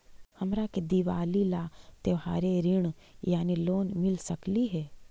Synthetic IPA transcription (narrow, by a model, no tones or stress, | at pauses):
hɐmɾaked̪iʋaːlilat̪eʋɦaːɾeɾɪɽ̃ | jaːniloːnmɪlsəkliɦɛː